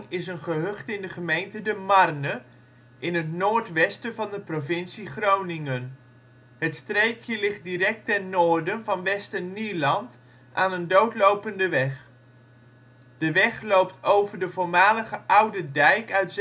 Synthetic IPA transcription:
nɪsənχəɦɵχtɪndəχəmejntədəmɑrnə | ʔɪnɦətnoːɹtʋɛstəvɑndəprovɪnsiχrownɪŋən | ɦətstrejkʰjəlɪχt̚dirɛk̚tɛnnoːɹdənvɑnʋɛstəniːlɑnt | ʔaːnəndowtlowpəndəʋɛχ | d̥əʋɛχlowp̚towvəɹdəvʊːɹmaːləχəʔʌwdədɛjkœɥts

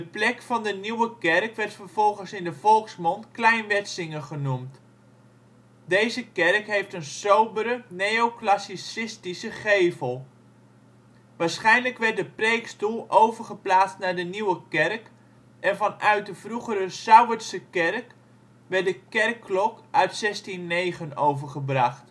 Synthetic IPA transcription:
dəplɛkfɑndəniwəkɛrkʋɛrtfərv̥ɔlˠχənsɪndəvɔlˠksmɔntklɛjnʋɛtsɪŋəχənumt | dejzəkɛrkɦejftənsowbəɾənejoklasisɪstisəχejvəlˠ | ʋaːɹsχɛjnləkʋɛrt̚dəprejkstulˠʔowvərχəplaːt͡stnadəniwəkɛrk | ʔɛnvɑnœɥt̚dəv̥ruχəɾəsœwəsəkɛrk | ʋɛtdəkɛrkːlɔkʔœɥtsɛstinːejχənowvəɹχəbrɑχt

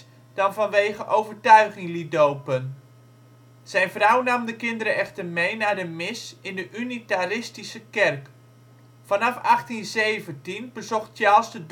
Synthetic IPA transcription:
d̥ɑnvɑnʋejχəʔowvərtœɥχɪŋlidowpən | z̥ɛjnvrɔwnɑmdəkɪndəɾəɛxtərmejnaːdəmɪsɪndəʔynitarɪstisəkɛrk | fɑnɑfaχtinzejvəntinbəzɔχtjaːlˠsdəd

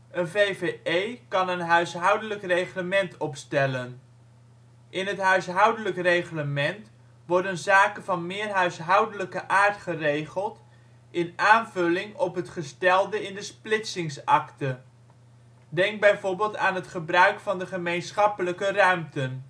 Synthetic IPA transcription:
ənvejveejkɑnənɦœɥsɦʌwdələkrejχləmɛntɔpstɛlən | ʔɪnɦətɦœɥsɦʌwdələkrejχləmɛnt | ʋɔɹdənzaːkənvɑnmɪːrɦœɥsɦʌwdələkəʔaːɹtχərejχəlˠt | ɪnaːnvɵlɪŋɔpɦətχəstɛlˠdəɪndəsplɪtsɪŋsɑktə | dɛŋɡ̚bɛjvoːɹbɪːlˠtaːnɦətχəbrœɥkfɑndəχəmejnsχɑpələkərœɥmtən

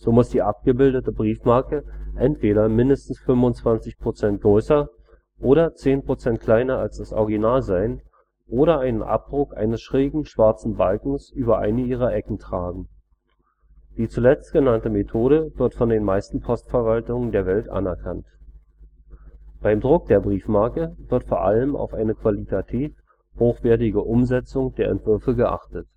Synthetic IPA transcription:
z̥oːmʊsd̥iːʔap̚ɡ̥əbɪldətəbʁiːfmaɐkəʔɛntv̥eːɾɐmɪndəstn̩sfʏmvʊnt͡sv̥ant͡sɪçpʁ̥ot͡sɛnt̚ɡ̥ʁøʏsɐ | ʔoːɾɐt͡seːnpʁ̥ot͡sɛnt̚kʰl̥aɪnɐalsd̥asʔɔ̰ɐɡinaːlzaɪn | ʔoːɾɐʔaɪnənʔa̰p̚d̥ʁʊkʔa̰ɪnəsʃʁ̥eːɡŋ̩ʃv̥aɐt͡sn̩balkŋ̩sʔyːbɐʔa̰ɪnəiːʁ̞ɐʔɛkŋ̩tʁ̥aːɡŋ̩ | d̥iːt͡sulɛt͡stɡ̥ənantəmetʰoːɾəvɪɐtfɔndeːnmaɪstn̩pʰɔstfɛɐvaltʊŋəndeːɐvɛltʔa̰nɛɐkʰant | b̥aɪmdʁʊk̚d̥eːɐbʁiːfmaɐkəvɪɐtfoːɐʔa̰ləma̰ʊfʔaɪnəkv̥alitʰatʰɛːf | hoːxv̥ɛːɐtɪɡəʔʊmzɛt͡sʊŋd̥eːɐʔɛ̰ntv̥ʏɐfəɡəʔa̰χtət

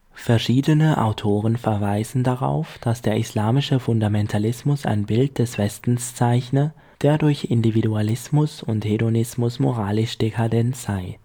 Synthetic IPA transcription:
fɛɐʃiːdənəʔa̰ʊtʰoːʁ̞ənfɛɐvaɪzn̩daʁa̰ʊfd̥asd̥eːɐɪslaːmɪʃəfʊndamɛntʰalɪsmʊsa̰ɪnbɪlt̚d̥ɛsv̥ɛstn̩st͡saɪçnə | d̥eːɐdʊɐçɪndividualɪsmʊsʊntheɾonɪsmʊsmo̰ʁ̞aːlɪʃd̥ekʰadɛntz̥aɪ

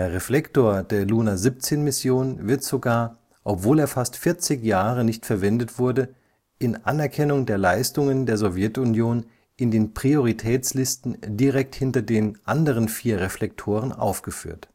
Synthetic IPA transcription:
d̥eːɐʁeflɛktoːɐdeːɐluːnazip̚t͡seːnmɪsjoːnvɪɐtz̥oɡaːɐ | ʔɔpv̥oːleːɐfastfɪɐt͡sɪkjaːʁ̞ənɪçtfɛɐvɛndətv̥ʊɐdə | ʔɪnʔa̰nɛɐkʰɛnʊŋdeːɐlaɪstʊŋəndeːɐzɔvjɛtʊnjoːn | ʔɪndeːnpʁ̥ioʁ̞itʰɛːt͡slɪstn̩diʁɛk̚thɪntɐdeːnʔandəʁ̞ənfiːɐʁeflɛk̚tʰoːʁ̞ənʔa̰ʊfɡ̥əfy̰ːɐt

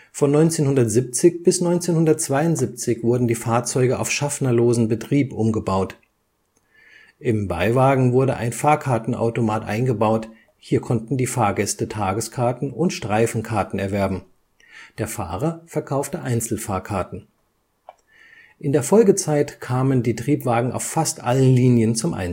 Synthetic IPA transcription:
fɔnːɔʏnt͡seːnhʊndɐtz̥ip̚t͡sɪçb̥ɪsnɔʏnt͡seːnhʊndɐt̚t͡sv̥aɪʊntz̥ip̚t͡sɪçv̥ʊɐdn̩diːfaːɐt͡sɔʏɡəʔa̰ʊfʃafnɐloːzn̩bətʁ̥iːpʔʊmɡəbaʊt | ʔɪmba̰ɪvaːɡŋ̩vʊɐɾəʔa̰ɪnfaːɐkʰaɐtn̩ʔa̰ʊtomaːtʔa̰ɪnɡəbaʊt | hiːɐkʰɔntn̩diːfaːɐɡɛstətʰaːɡəskʰaɐtn̩ʊntʃtʁ̥aɪfn̩kʰaɐtn̩ɛɐvɛɐbm̩ | d̥eːɐfa̰ːʁɐfɛɐkʰaʊftəʔaɪnt͡sl̩faːɐkʰaɐtn̩ | ʔɪndeːɐfɔlɡət͡saɪtkʰaːməndiːtʁ̥iːpv̥aːɡŋ̩ʔa̰ʊffastʔalənliːnjənt͡sʊmʔa̰ɪ

